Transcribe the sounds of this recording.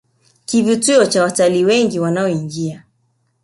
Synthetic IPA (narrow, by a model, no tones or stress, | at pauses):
kivituɔt͡ʃawataliwɛŋɡiwanaɔiŋɡia